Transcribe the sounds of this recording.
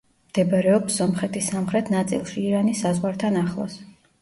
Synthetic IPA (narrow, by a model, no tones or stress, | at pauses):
md̪̥ɛbɾɛɔpsɔmχɛt̪ʰisːamχɾɛt̪ʰnat̪sʼḭlˠʃiːɾanisazʁwaɾt̪ʰanaχlˠɔ̰s